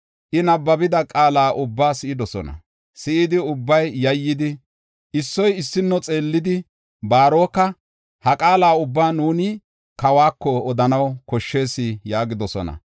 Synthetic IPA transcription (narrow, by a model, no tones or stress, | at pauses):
ʔɪnɐbːɐbɪd̪ɐkʼaːlaːʔʊbːaːsɪʔɪd̪ɔsɔ̰nɐ̰ | sɪʔɪd̪ɪʊbːɐjːɐjːɪd̪ɪ | ʔɪsːɔjɪsːɪnːɔt͡sʼe̞ːlːɪd̪ɪ | baːɾo̞ːkːɐ | hɐkʼaːlaːʊbːaːnuːnɪ | kɐwaːkːɔɔd̪ɐnɐwkɔʃːe̞ːsɪjaːɡɪd̪ɔsɔ̰nɐ̰